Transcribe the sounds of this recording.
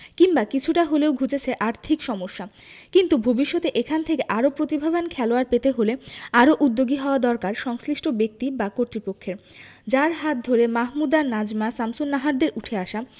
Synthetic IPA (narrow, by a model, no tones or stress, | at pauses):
kimbakit͡ɕʰuʈaɦoleoɡʱud͡ʑet͡ɕʰeʔaɾt̪ʰikʃɔmoʃːa | kint̪ubʱobiʃːɔt̪eʔekʰant̪ʰekeʔaɾopɾot̪ibʱabankʰɛloaɾpet̪eɦoleaɾoʔud̪ːoɡiɦɔoad̪ɔɾkaɾʃɔŋsliʃʈʰobek̚t̪ibakoɾt̪ɾipokʰːeɾ | d͡ʑaɾɦat̪̚d̪ʱoɾemaɦmud̪anad͡ʑmasamsonːaɦaɾd̪eɾʔuʈʰeaʃa